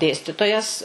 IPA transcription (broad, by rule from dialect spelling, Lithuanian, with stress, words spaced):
ˈdʲeːsʲtʲɪtoːjɛs